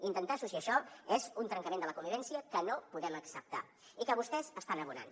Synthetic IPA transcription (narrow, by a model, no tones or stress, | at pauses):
int̪ənt̪asusiəʃɔezunt̪ɾəŋkəmend̪ələkumbiβɛnsiəkənopuðɛməksəp̚t̪a | ikəβust̪ɛzəst̪anəβuna̰n